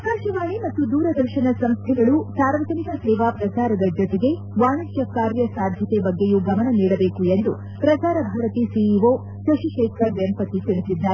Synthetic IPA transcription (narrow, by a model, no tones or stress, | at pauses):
kaːɾʃɐʋaːɳimɐt̪ːud̪uːɾɐd̪ɐɾʃɐnɐsɐmst̪ʰɛɡɐɭusaːɾʋɐt̪ɐnikɐsɛːʋaːpɾɐt͡ʃaːɾɐd̪ɐd͡ʒɔt̪eɡe̞ | ʋaːɳɐt͡ʃjɐkaːɾjɐsaːd̪ʱjɐt̪ebɐɡːejuɡɐmɐɳɐniːɽɐbeːkuend̪u | pɾɐt͡ʃaːɾɐbʱaːɾɐt̪isiiʋoː | sɐʃiʃɛːkʰɐɾʋjɐmpɐt̪it̪iɭisid̪ːaːɾe